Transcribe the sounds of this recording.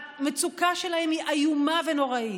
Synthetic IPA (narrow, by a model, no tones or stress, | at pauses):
met͡sukaʃelahemiʔajumaveno̞ʁai